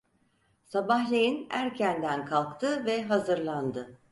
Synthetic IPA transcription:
sabahlʲejinæɾcʰænd̪ænkʰalˠkt̪ʰɯvɛɦazɯɾlˠand̪ɯ

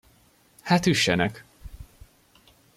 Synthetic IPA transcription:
haːt̪yʃːɛnɛk

